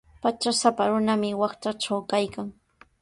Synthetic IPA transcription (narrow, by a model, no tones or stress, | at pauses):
pat͡ʃasapaɾʊnamɪwɑχt͡ʃaʈ͡ʂawkajkaŋ